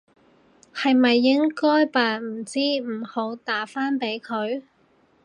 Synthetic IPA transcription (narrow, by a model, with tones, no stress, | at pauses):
hɐ˨jmɐ˨jːɪ˥ŋkɔː˥jpaː˨m̩˨˩t͡siː˥m̩˨˩ho˨˧˥wt̪aː˨˥faː˥npe˨˥jkʰɵ˨˧ɥ